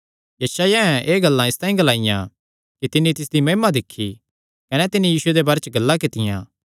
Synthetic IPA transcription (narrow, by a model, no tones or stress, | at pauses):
jɐʃaːjaɛ̃ʔeːɡɐlːãɪst̪ãːĩɡɐlaːɪjã | kit̪ɪnːit̪ɪsd̪imɐɦimad̪ɪkʰːi | kɐnɛt̪ɪnijiːsʊed̪ebaːɾet͡ʃɡɐlːakɪt̪ɪjã̰ː